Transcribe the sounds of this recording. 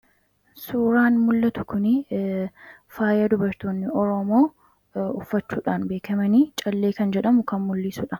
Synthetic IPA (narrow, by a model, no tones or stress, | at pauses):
suːɾaːnmʊlːɐt̪ʊkʊnɪ | faːjɐd̪ʊbɐɾt̪oːnːɪʔɔɾɔmoː | ʊfːɐt͡ʃːuːᶑaːnbe̞ːkɐmɐniːt͡ʃʼɐlːe̞ːkɐnd͡ʒɛᶑɐmʊkɐnmʊlːisʊᶑɐ